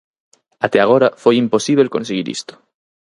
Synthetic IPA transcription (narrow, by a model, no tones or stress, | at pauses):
at̪eaɣ̞oɾafojimposiβ̞elkonseɣiɾḭst̪o̥